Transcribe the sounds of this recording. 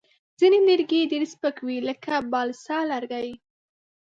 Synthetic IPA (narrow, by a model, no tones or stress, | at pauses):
zinenɪɾɡedeɾspəkwiləkabɑlsɑlaɾɡaji